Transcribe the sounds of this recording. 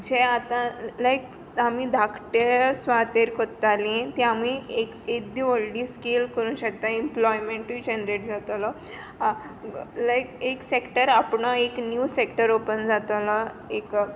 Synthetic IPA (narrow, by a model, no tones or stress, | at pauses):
d͡ʑeat̪ãlajk | amid̪ʱakʰʈesʋat̪eɾkoɾt̪alĩt̪ĩamieked̪iʋəlɖĩːskelkəɾũːnɕək̚t̪ãemplɔjmẽɳʈʋid͡ʑend̪ɾeʈd͡zat̪lɔ | lajkeksekʈəɾapɳəeknjusekʈəɾopənd͡zat̪lə | ek